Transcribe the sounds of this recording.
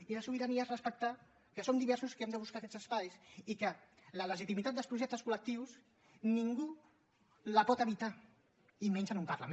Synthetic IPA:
iləsuβiɾaniarəspək̚t̪a | kəsomd̪iβɛɾsuskɛmd̪əβuskaːkɛzəspajsikələləʒit̪imit̪at̪̚d̪əlspɾuʒɛk̚t̪əskulək̚t̪iws | niŋɡu | ləpɔt̪əβit̪a | iment͡ʃənumpɐrla̰mẽ

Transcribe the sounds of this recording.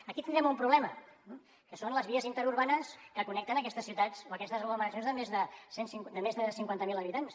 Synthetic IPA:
əkit̪ind̪ɾɛmumpɾuβlɛmə | kəsonləzβiəzint̪əɾuɾβanəskəkunɛkt̪ənəkɛst̪əsːiuwt̪at͡soəkɛst̪əzɣluməɾəs̬jonzðəmezðəsensiŋd̪əmezðəsiŋkwant̪əmilˠəβit̪ans

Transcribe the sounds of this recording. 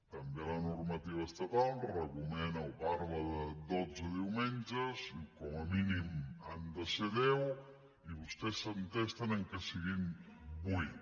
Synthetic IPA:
t̪əmbelanuɾmət̪iβəst̪ət̪arəkumɛnəwpaɾβəðəd̪od͡zəðiwmɛnʲd͡ʒəzikɔməminimand̪əsəðɛw | iβust̪ɛsːənt̪ɛst̪ənəŋkəsiɣimbui

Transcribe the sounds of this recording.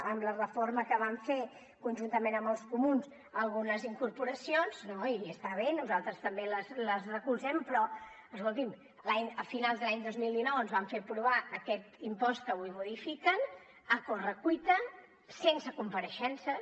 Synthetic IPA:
əmlərəforməkəβ̞aɱfe | kunʲʒunt̪əmenəmbəlˠskumuns | əlˠɣunəziŋkuɾpuɾəsionznoiəst̪aβ̞enuzalˠt̪ɾəst̪əmbeləzləzrəkulˠzɛmpɾɔ | əskolˠt̪im | laɲəfinalˠd̪əlaɲd̪ozmilˠd̪inɔwənzβaɱfeɾpɾuβ̞aəkɛt̪impɔst̪̚kəuimuðifikən | əkorəkwit̪ə | sensəkumpəɾəʃɛnsə

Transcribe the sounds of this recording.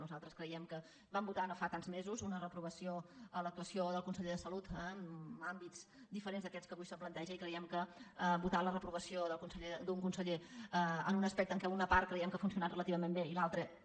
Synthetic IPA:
nuzalˠt̪ɾəskɾəiɛmkə | bambut̪anofat̪anzmezuzunərəpɾuβ̞əsioələk̚t̪uəsioðəlˠkunsəʎeðəsəlut̪əmambit͡s | d̪ifəɾenzðəkɛt͡skəβujsəmplənt̪ɛʒəikɾəiɛmkəəbut̪alərəpɾuβəsioðəlˠkunsəʎed̪uŋkunsəʎeəənunəspɛk̚t̪əŋkɛunəpaɾt̪̚kɾəjɛmkəfuns̬iunat̪rələt̪iβəmembeilalˠt̪ɾə

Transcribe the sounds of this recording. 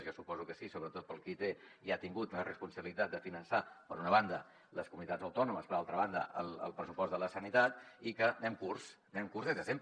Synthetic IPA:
zjɔsupɔzukəsisoβɾət̪ot̪̚pəlˠkit̪e | iat̪iŋɡut̪lərəspunsəβilit̪at̪̚d̪əfinənsapəɾunəβ̞and̪ə | ləskumunit̪ad͡zzəwt̪ɔnuməspəɾalˠt̪ɾəβ̞and̪ə̰ʔə̰lˠə̰lˠpɾəsupɔzd̪ələsənit̪at̪ikənɛmkurs | nɛmkurzðezðəsemp

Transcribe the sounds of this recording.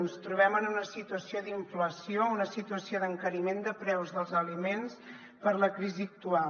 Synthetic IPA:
nst̪ɾuβ̞ɛmənunəsit̪uəsiod̪iɱfləsiounəsit̪uəsioðəŋkəɾimend̪əpɾɛwzðəlˠzəlimens | pəɾləkɾiziək̚t̪ua

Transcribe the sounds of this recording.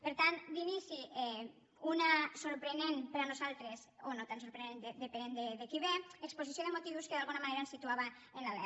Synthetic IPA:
peɾt̪and̪inisiɛ | unasoɾpɾenenpeɾanozalˠt̪ɾesonot̪ansoɾpɾenend̪ed̪epenend̪ed̪ekiβeeksposisjoðemot̪iβuskeðalɣunamaneɾaensit̪uaβa | enlalɛ̰

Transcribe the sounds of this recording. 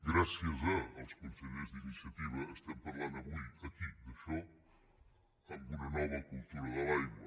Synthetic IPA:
ɡɾasjəzɐːlˠskunseʎezd̪inisjɐt̪iβɐːst̪ɛmpɐɾland̪ɐβujɐkid̪əʃɔ | ɐmbunɐnɔβɐkulˠt̪uɾɐðɐlajɣwɐ

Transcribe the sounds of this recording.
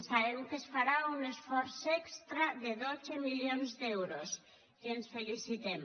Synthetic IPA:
saβewkesfaɾaunesfoɾsekst̪ɾaðeðot͡semiʎjonzd̪ewɾos | kensfelisit̪em

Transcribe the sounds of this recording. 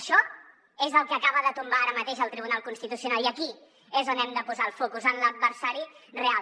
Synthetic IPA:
ʃɔ | ezəlˠkəkaβəðət̪umbaaɾəmət̪eʃəlˠt̪ɾiβunalˠkunst̪it̪usiunalˠiəki | ezonɛmd̪əpuzaəlˠfokuzənləd̪̚βəɾsaɾirea

